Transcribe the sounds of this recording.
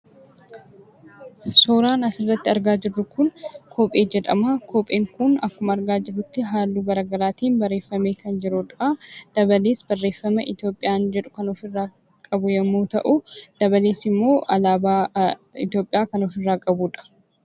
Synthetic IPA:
soːɾaːnɐsɪrːɐt̪ːɪɐɾɡaːd͡ʒɪrːʊkʊnkʰoːpʼe̞ːd͡ʒɛᶑ̪ɐ̰mɐkʰoːpʼeːŋkʊnɐkːʊmɐɐɾɡaːd͡ʒɪrːʊt̪ːɪɦaːlːuːɡɐɾaːɡɐɾaːt̪iːnbɐrːe̞ːfːɐmeːkɐnd͡ʒɪɾʊᶑɐd̪̥ɐbɐleːsbɐrːe̞ːfːɐmɐʔɪt̪jo̞ːpʼːɪjaːnd͡ʒɛᶑʊ̥kɐnɔfɪrːaː | kʼɐbʊjɛmːuːt̪ɐʔʊd̪̥ɐbɐleːsɪmːo̞ːʔɐlaːbaːɪ̰t̪joːpʼːɪjaːkɐnɔfɪrːaːkʼɐbuːᶑɐ̥

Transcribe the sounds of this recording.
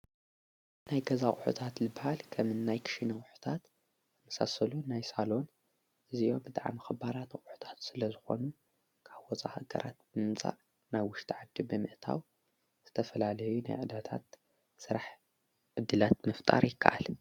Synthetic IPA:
najɡɐzaχʼʊħṵt̪ʰat̪lɨbɨhalkʰɐmɨnːajkʰɨ̥ʃinɐkʼħu̥t̪ʰat̪ | mɐsa̰sɐlunajsalo̞n | ʔɨziʔo̞bɨt̪ʼaʕ̰mɨxɨbaɾat̪kʼʊħu̥t̪ʰḁt̪sɨlɐzɨxo̞̰nu | kʰaβwɔt͡sʼa̰haɡɐ̰ɾʔa̰t̪̚bɨmɨmt͡sʼa̰ʔ | najwʊʃt̪ʼʰiʕad̪ːibɨmɨʔt̪ʰa̰w | z̥ɨt̪ʰɐfɐlalɐjuna̰jʕɨd̪at̪ʰa̰t̪ | sɨɾaħ | ʕɨd̪ːɨlat̪mɐft̪ʼa̰ɾjɪkʰːa̰ʔa̰l

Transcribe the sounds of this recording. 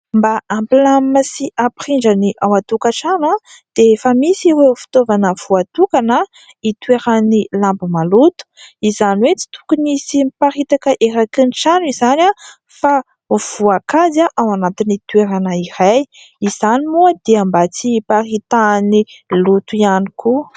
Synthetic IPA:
mbaampilamasiʔapɾiɳd͡ʒaniʔawat̪ukaʈ͡ʂana | d̪̥efəmisiɾefi̥t̪ovanəv̥uat̪ukanə | it̪ueɾanilambimalut̪u̥izanwet͡si̥t̪u̥kunisipaɾit̪akəʔeɾakɨnʈ͡ʂanuizana | fa | v̥uakazaʔawanat̪init̪ueɾanəiɾaj | iz̥animuad̪̥eambat͡siparit̪anilut̪uianiku

